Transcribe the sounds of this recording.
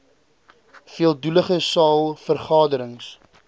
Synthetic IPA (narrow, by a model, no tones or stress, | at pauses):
fiəlˠduləχəsɑːlˠfərχɑːdəɾəŋs